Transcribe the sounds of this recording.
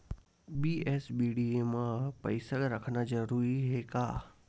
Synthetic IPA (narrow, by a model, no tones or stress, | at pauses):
biːesbiːɖiemãpəɪsəɡɾəkʰnad͡ʒəɾuːɾiɦekaː